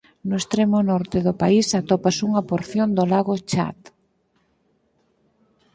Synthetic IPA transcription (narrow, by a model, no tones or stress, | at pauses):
nʊest̪ɾemʊnɔɾt̪eðʊpaisat̪opasuŋɐpoɾθjond̪olaɣot͡ʃa̰t̪